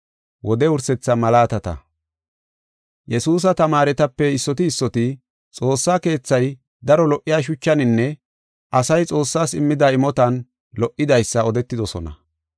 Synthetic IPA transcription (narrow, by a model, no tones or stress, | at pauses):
wɔd̪ɛʊɾsɛt͡sːɐmɐlaːt̪ɐt̪ɐ̰ | jɛsuːs̬ɐt̪ɐmaːɾɛt̪ɐpːɛɪsːɔt̪ɪːsːɔt̪ɪ | t͡sʼo̞ːsːaːke̞ːt͡sːɐj | d̪ɐɾɔlɔʔːɪjaːʃ̬ʊt͡ʃːɐnɪnːɛ | ʔɐsɐjt͡sʼo̞ːsːaːsɪmːɪd̪aɪmɔt̪ɐn | lɔʔːɪd̪ɐjsːɐɔd̪ɛt̪ːɪd̪ɔsɔnɐ̰